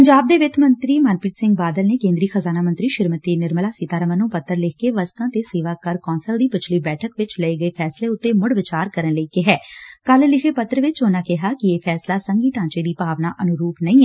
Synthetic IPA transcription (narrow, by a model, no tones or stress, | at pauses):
pəɲd͡ʒaːb̚d̪eːʋɪt̪ʰmənt̪ɾiːmənpɪt̪sɪ̃ŋɡ̚baːd̪əlneːkẽːnd̪ɾiːxəzaːnaːmənt̪ɾiːʃɪɾmət̪eːnɪɾməlaːsɪt̪aːɾəmənũːpət̪ːəɾlɪkkeːʋəst̪ãːt̪eːseːʋaːkəɾkɔːnsəld̪iːpət͡ʃʰliːbɛːʈʰəkʋɪt͡ʃləeːɡəeːpʰɛːsleːʊt̪ːeːmʊɽʋɪt͡ʃaːɾkəɾənləiːkɪɦɛːkəllɪxʰeːpət̪ːɾəʋɪt͡ʃoːnaːkɪɦaːkɪeːpʰɛːslaːsəŋɡiːt̪ãːt͡ʃeːd̪iːpaːʋnaːʔənʊɾuːpnəĩːɛː